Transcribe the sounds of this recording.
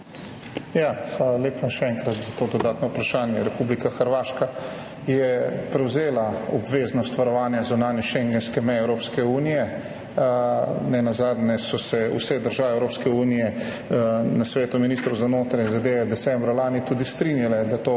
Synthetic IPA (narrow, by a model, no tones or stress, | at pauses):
jaːxʋaːlalʲeːpaʃɛɛːŋkɾat̪zat̪oːd̪ɔd̪aːt̪nɔupɾaʃaːnjɛɾɛpublikaxəɾʋaːʃka | jɛpɾɛwzeːlaɔbʋeːznɔst̪ʋaɾɔʋaːnjazunaːnjɛʃɛŋɡɛnskɛmɛjɛwɾoːpskɛuːnijɛ | nɛnazaːd̪nɛsɔsɛṵsɛd̪əɾʒaːʋɛɛwɾoːpskɛuːnijɛ | nasʋeːt̪uminist̪ɾɐwzanoːt̪ɾajinzad̪eːʋɛd̪ɛsɛmbɾalaːnit̪uːd̪ist̪ɾinjalɛd̪at̪oː